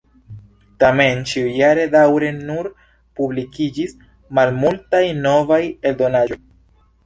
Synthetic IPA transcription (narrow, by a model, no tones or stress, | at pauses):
tament͡ʃiujaɾe̞dawɾe̞nuɾ | publikid͡ʒis | malmultajno̞vajeldo̞nad͡ʒo̞j